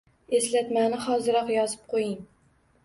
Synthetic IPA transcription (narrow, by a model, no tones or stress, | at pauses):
e̞slat̪manɪχɒzɪɾɒqjɒzɪp̚qʰojɪŋ